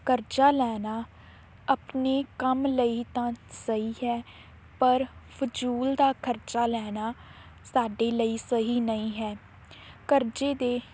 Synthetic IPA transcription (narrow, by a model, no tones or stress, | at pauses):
kəɾt͡ʃaːlɛːnaː | əpneːkəmləiːt̪ãːsəiːɦɛː | pəɾpʰʊd͡ʒuːld̪aːkʰəɾt͡ʃaːlɛːnaː | saːɖeːləiːsəɦiːnəĩːɦɛː | kəɾd͡ʒeːd̪eː